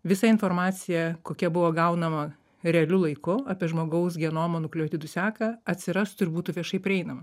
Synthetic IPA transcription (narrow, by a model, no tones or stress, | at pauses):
ʋʲɪsɐɪnfoːɾmɑːsʲɪjɛkoːkʲɛbʊʋoːɡɐʊnɐmɐ | ɾʲɛɐlʲʊlˠɐɪkʊɑːpʲiɛʒmoːɡɐʊsɡʲiɛnoːmonʊklʲoːt̪ʲɪd̪ʊsʲæːkɐɐt̪ʲsʲɪɾɐst̪ʊɪɾbuːt̪ʊʋʲiɛʃɐɪpʲɾʲɪɛɪnɐmɐ